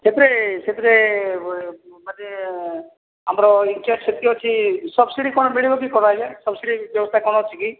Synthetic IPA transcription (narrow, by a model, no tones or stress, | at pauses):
set̪ɾeset̪ɾe | mane | amɾɔint͡ʃaʈset̪iɔt͡ʃʰisɔbsiɽikɔɽ̃ɔmiɽibɔkikɔɾajd͡ʒasɔbsiɽibjɔbɔst̪ʰakɔɽ̃ɔt͡ʃʰiki